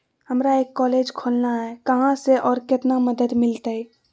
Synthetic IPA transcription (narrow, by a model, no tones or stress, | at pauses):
həmɾaeːkːɔːleːd͡ʒkʰoːlnaɦɛkəɦãseʔɔːɾkɪt̪naməd̪əd̪mɪlt̪ai